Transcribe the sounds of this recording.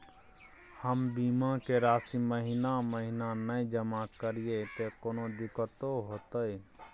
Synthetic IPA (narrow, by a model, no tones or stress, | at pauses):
həmbiːmakeɾaːsiməɦinaməɦinanəĩd͡ʒəmakəɾijet̪ekoːnod̪ɪkət̪oɦoːt̪əi